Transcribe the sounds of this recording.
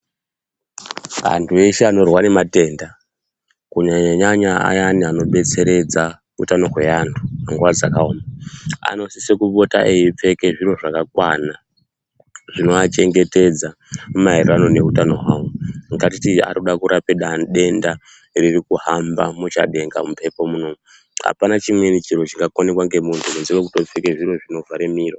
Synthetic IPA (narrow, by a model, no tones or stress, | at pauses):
ʋa̰ntʰueʃeano̞rwane̞mate̞ːnda | kuɲaɲaɲaɲaa̰janiano̞ɓe̞t͡se̞ɾe̞d͡za | ṵtano̞ɦwe̞antʰu̥maŋɡuʋad͡zakaoːmaa̰no̞sisekuɓo̞ta̰ʔejip͡fe̞ke̞ʐiro̞ʐakakwana | ʐ̥ino̞at͡ʃe̞ŋɡe̞te̞d͡za | mumaerrano̞ne̞utano̞ɦwa̰wuŋɡat̬itia̰ɾuɗakuɾʔapiɗaɗe̞nda | ririkuɦamba̰mut͡ʃa̰ɗe̞ŋɡa̰mupe̞po̞munomu | a̰panat͡ʃimwe̞nit͡ʃiro̞t͡ʃiŋɡakone̞kwaŋɡe̞muntʰumunziwek̬uto̞p͡fekeʐiro̞ʐino̞vʱaɾemiːro